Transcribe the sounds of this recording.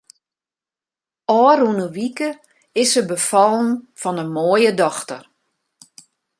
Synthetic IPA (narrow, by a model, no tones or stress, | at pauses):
ɔːrunəʋikə | ɪsəbəfɔlˠənfɔnəmoəjədɔxtə̰r